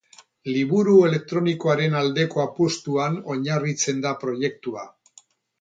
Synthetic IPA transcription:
liβuɾue̞le̞k̚t̪ɾo̞niko̞aɾe̞nald̪e̞ko̞apost̪uano̞ɲarit͡se̞nd̪apɾo̞je̞k̚t̪ua̰

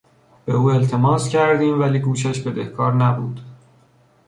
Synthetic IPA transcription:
b̥e̞uːe̞lt̪ʰe̞mɒːscʰæɾd̪iːmvæliːɡuːʃ̬æʃbe̞d̪ehkʰɒːɾnæbuːd̪̥

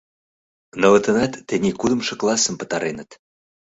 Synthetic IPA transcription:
nɤ̆lə̆t̪ə̆nɑt̪ːenikud̪ə̆mʃɤ̆klˠɑsə̆mpə̥̆t̪ɑɾenət̪

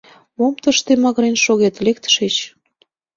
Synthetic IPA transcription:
momt̪əʃt̪emɑɣəɾenʃoɣet̪lek̚t̪ʃet͡ɕ

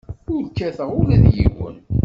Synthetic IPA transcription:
ʊɾkːæθəʁʊɾæðjḭwə̰n

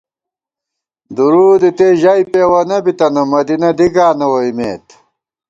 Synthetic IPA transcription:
d̪uɾuːd̪it̪eʑaipeːwɐnɐbit̪ɐnɐmɐd̪inɐd̪iɡaːnɐwɐimḛːt̪

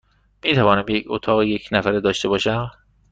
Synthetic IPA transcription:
miːt̪ʰævɒːnæmbeecʰot̪ʰɒːɣejecʰnæfæɾed̪ɒːʃt̪e̞bɒːʃæm

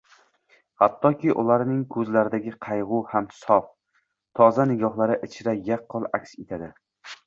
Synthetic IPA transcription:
hat̪ʰːɒkʲʰɪʔʊ̰laɾnɪŋkʰɵzlaɾɪd̪aɡʲɪqʰɑjʁʊhamsɒf | t̪ʰɒzanɪɡʲɒχlˠaɾɪʔɪt͡ʃʰɪɾajɑqːɨlˠakʲset̪ʰad̪ɪ

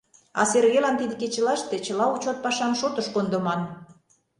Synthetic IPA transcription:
ɑ̰serɣelɑnt̪id̪eket͡ɕĕlɑʃt̪et͡ɕə̆lɑut͡ɕot̪̚pɑʃɑmʃot̪əʃkond̪ŏmɑn

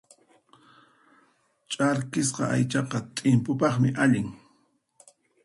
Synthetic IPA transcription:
t͡ʃʼaɾkɪs̬qɑ̰ʔa̰jt͡ʃɑqɑt̪ʼɪmpʊpɑχmɪʔaʎɪŋ

